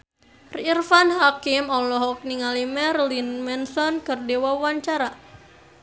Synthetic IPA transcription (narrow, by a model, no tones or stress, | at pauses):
riːrfanhakimɔlɔɦɔk̚niŋalimɛrlinmɛnsɔnkɨrdewawaɲt͡ʃaɾa